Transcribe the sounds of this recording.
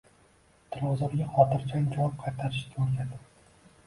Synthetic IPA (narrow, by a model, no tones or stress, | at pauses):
t̪ʰɪɾɒzɒɾɡʲaχɒt̪ʰɪɾt͡ʃʰaŋʲd͡ʒɒwp̚qʰɑjt̪ʰaɾɪʃkʲaoɾkʲʰad̪ɪ